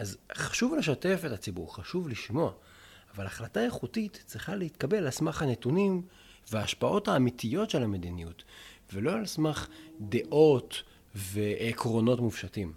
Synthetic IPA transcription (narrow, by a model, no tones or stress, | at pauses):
ʔazχḁʃuvle̞ʃate̞fetat͡sibṵʁχaʃuvliʃmo̞aː | valaχlataje̞χutitt͡sʁiχaleit̪kabe̞lalsmaχhane̞tunim | veaːʃpaʔo̞thaːmitijo̞tʃe̞lame̞dinijutvelo̞alsmaχd̪e̞ʔo̞t | ve̞kʁo̞no̞tmufʃatim